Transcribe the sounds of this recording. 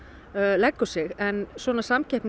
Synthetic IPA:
lɛkːʏsɪɣɛnsvɔːnasamcɛhpn

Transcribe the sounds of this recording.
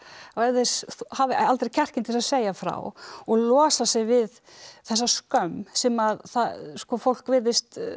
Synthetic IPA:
aɛðɪsuhavɪalt̪ɾecʰɛr̥cɪnt̪ʰɪlsaseːjafɾa̰wɔɣlɔːsasɪɣvɪð | θɛsːaskœmsɛmaðθaskɔfowl̥kvɪðɪst̪

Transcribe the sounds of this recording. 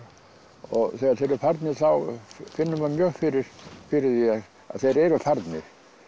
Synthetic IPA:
ɔɣθɛɣaðθɛɾʏfɛɾt̪nɪɾ̥θawfɪnːʏmaðmjœːɣfɪɾɪɾ̥fɪɾɪðjɛɣ | a̰ðθejɾɛɾʏfɛɾt̪nɪɾ̥

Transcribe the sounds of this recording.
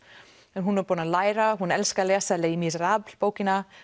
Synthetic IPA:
ɛnɦunːaɾpɔːnalaːjɾaɦunɛlskalɛːsaleːjimisraːpl̥poːwcɪna

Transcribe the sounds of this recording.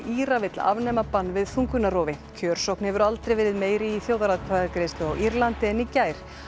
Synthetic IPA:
iːɾavɪt̪la̰vnɛːmapanːvɪðθuŋkʏnːarɔːvɪcʰœːɾ̥sowhknɪɛvʏɾalt̪ɾejvɪːɾɪðmeːjɾɪːθjowðaɾaðpʰaɣaɾkɾest̪ʏaɣiɾlant̪ɪɛnicaːjɾ̥

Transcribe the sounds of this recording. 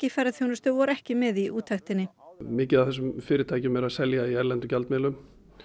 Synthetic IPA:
cɪfɛɾaðθjownʏst̪ʏvɔɾɛhcɪmɪðiʔuːt̪ʰːaxt̪ɪnːɪmɪːcɪðavθɛsːʏmfɪːɾɪɾt̪ʰaːjcʏmɛɾaðsɛljaiɛɾlɛnt̪ʏcalt̪mɛːlʏm

